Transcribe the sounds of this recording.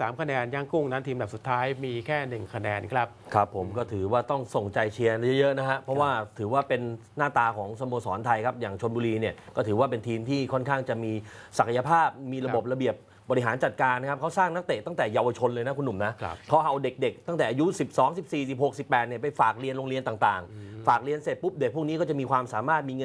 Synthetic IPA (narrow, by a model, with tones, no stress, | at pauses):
saː˩˦mkʰa˧nɛː˧nja˧˩ŋku˥˩ŋna˦˥nt̪ʰiː˧mda˨˩p̚su˨˩t̪ʰːaː˦˥jmiː˧kʰɛː˥˩nɯ˨˩ŋkʰa˧nɛː˧nkʰɾa˦˥pkʰa˦˥pʰːo˩˦mkɔː˥˩t̪ʰɯː˩˦waː˥˩t̪ɔ˥˩ŋso˨˩ŋt͡ɕa˧jt͡ɕʰi˧ɐna˥jɤ˦˥jɤ˦˥ʔna˦˥kʰa˦˥pʰɾɔ˦˥waː˥˩t̪ʰɯː˩˦waː˥˩pe˧nː | aː˥˩t̪aː˧kʰɔː˩˦ŋsa˧mo˧sɔː˩˦nt̪ʰa˧jkʰa˦˥p̚jaː˨˩ŋt͡ɕʰo˧nbuː˧liː˧ni˥˩ɐkɔː˥˩t̪ʰɯː˩˦waː˥˩p̬e˧nt̪ʰiː˧mt̪ʰiː˥˩kʰɔ˥˩nkʰaː˥˩ŋt͡ɕa˨˩miː˧sa˨˩kʰa˧ja˧pʰaː˥˩p̚miː˧ɾa˧bo˨˩p̚ɾa˧bi˨˩əp̚ | bɔː˧ɾi˦˥ɦaː˩˦nt͡ɕa˨˩t̪̚kaː˧nːa˦˥kʰp̚kʰa˦˥wsaː˥˩ŋna˦˥t̪e˨˩t̪a˥˩ŋt̪ɛː˨˩jaː˧wa˧t͡ɕʰo˧nlɤː˧jna˦˥kʰu˧nːu˨˩mna˦˥ʔkʰa˦˥wʔa˧wde˨˩k̚de˨˩k̚t̪a˥˩ŋt̪ɛː˨˩ʔa˧ju˦˥si˨˩p̚sɔː˩˦ŋsi˨˩p̚siː˨˩si˨˩p̚ho˨˩k̚si˨˩pːɛː˨˩t̪̚ni˥˩ɐpa˧jfaː˨˩k̚ɾi˧ənloː˧ŋli˧ənt̪aː˨˩t̪aː˨˩ŋfaː˨˩k̚ɾi˧ənse˨˩t̪̚pu˦˥p̚de˨˩k̚ʰu˥˩ni˦kɔː˥˩t͡ɕa˨˩ʔmiː˧kʰwaː˧msaː˨˩˦maː˥˩t̪̚miː˧ŋ˧